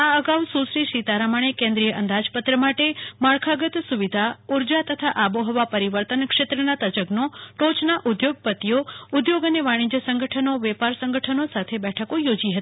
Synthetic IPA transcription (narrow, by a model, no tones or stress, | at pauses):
aəɡaʋsusɾiʃit̪aɾamaɳ̃ekẽnd̪ɾijəʔənd̪ad͡ʒpət̪ɾəmaʈeməɭkʰaɡət̪suʋid̪ʱauɾd͡ʒat̪ət̪ʰaʔaboɦɔʋapəɾiʋəɾt̪ənkʂet̪ɾənat̪ət͡ʃəɡnoʈot͡ʃnaʔud̪joɡ̚pət̪ijoud̪joɡəneʋaɽ̃ĩd͡ʒəsə̃ŋɡʱəʈʰənoʋɛpaɾsə̃ŋɡəʈʰənosat̪ʰebɛʈʰəkojod͡ʒiɦət̪i̥